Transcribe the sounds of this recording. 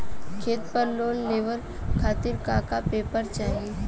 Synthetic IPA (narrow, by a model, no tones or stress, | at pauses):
kʰeːt̪pəɾloːnleːʋəɾ | kʰaːt̪ɪɾkaːkapeːpəɾt͡ʃaːɦie